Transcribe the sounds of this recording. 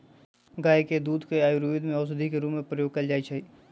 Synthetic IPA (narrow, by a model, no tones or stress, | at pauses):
ɡaːeked̪uːd̪ʱkeaːjuɾuʋd̪mẽɔs̬əd̪ʱikeɾuːmːẽpɾəjoːɡ̚kɐld͡ʒaːit͡ʃaːiː